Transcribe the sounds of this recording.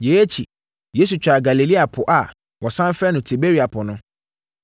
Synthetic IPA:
je˨˦e˦t͡ɕʰi˨ | je˦su˨t͡ɕᶣa˨ɡa˨li˨li˦a˨pʰʊ˨ʔa˨ | wʔɔ˨sã˦n˦fɾɛ˦nʊ̃˨tʰi˨be˦ɾi˨˦a˨pʰʊ˨nʊ̃˦

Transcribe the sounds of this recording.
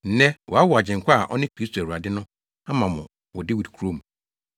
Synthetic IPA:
n̩˨˦nɛ̃˦wʔɔ˨a˦wɔ˨a˨d͡ʑɪ̃˨ŋ̩˨kʷʰa˦a˨ʔɔ̰˦nɪ̃˦kɾi˦stʰo˨æ˨ɾu˨a˨dɪ˦nʊ̃˦ | a˦mã˨mʊ̰̃˨ | wɔ˨dɪ˦wi˨dkʰu˦ɾo˦mũ˨

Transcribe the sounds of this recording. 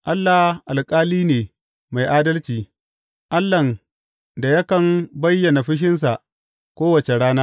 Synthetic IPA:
ʔa˦lːa˨hʔa˨lkʼaː˦liː˦neː˨ | ma˨jʔaː˦dɐ˦lt͡ʃiː˨ | ʔa˦lːɐ˨n | da˨jɐ˦kɐ˨mbɐ˦jːɐ˨na˨ɸɪ˦ʃ̬ɪ˦ns̬a˨ʔ | kʷoː˦wɐ˨t͡ʃe˨ɽaː˦naː˦

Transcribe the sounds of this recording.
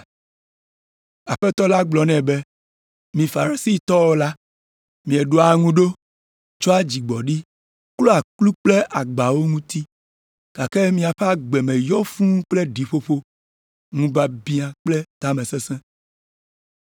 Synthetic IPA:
a˨ɸɛ˦t̪ɔ˦la˦ɡ͡blɔ˨nɛ̃˨be˦ | mĩ˨fa˨ɾi˨si˦t̪ɔ˦wo˦la˦ | mĩ˨ɛ˨ɖo˦a˨ŋũ˦ɖo˦ | t͡ʃɔ˦a˦d͡ʑi˨ɡ͡bɔ˨ɖi˦ | klo˦a˨klu˦k͡ple˦ʔa˨ɡ͡ba˨wo˦ŋũ˦t̪i˦ | ka˨ke˦mĩ˨a˨ɸe˦a˦ɡ͡bɛ˨mɛ̃˨jɔ˦fũ˦k͡ple˦ɖi˨ɸo˦ɸo˦ | ŋũ˦ba˦bi˦a˨k͡ple˦t̪a˦mɛ̃˨sɛ̃˦sɛ̃˦

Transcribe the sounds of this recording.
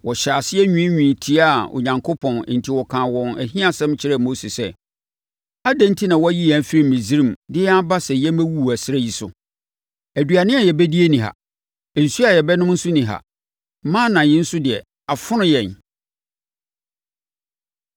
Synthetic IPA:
wɔ˨ɕa˨sɪ˦ɛ˦ɲᶣũ˦ɲᶣĩ˨tʰi˦a˦˨o̰˨ɲã˨ŋkʰo˦pʰɔ̃˨n˨n̩˨tʰi˨wɔ˨kʰãː˨wɔ̃˨næ̰˨ɦĩ˦a˨sɛ̃˦mt͡ɕʰɪ˦ɾɛ˦˨mo˦se˨sɛ˦ | a˦dæ̃˦n˦tʰi˦nã˨wɔ˦æ˦ji˦jæ̃˨˦fi˦ɾi˦˨mĩ˨zi˦ɾĩ˦˨mdɪ˦ɛ˦a˦ba˦sɛ˨jɛ˦mæ̃˦wu˦˨æ˨sɪ˦ɾɛ˦ji˨sʊ̰˨ | æ˨dɥa˨nɪ̃˦a˨jɛ˨bæ˦di˦e˦nĩ˨ɦa̰˨ | n̩˨su˦a˨jɛ˨bɛ˦nʊ̃˦mn̩˦sʊ˦nĩ˨ɦa̰˨˦ | mãː˦nã˨jɪ̃˦n̩˦sʊ˦dɪ˨ɛ˨ | a˨fʊ˦nʊ̃˦jɛ̃˨n

